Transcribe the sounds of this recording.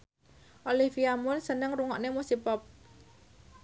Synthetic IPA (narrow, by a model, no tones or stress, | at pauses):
ʔolifiamʊnsənəŋruŋɔʔnemusipɔp̚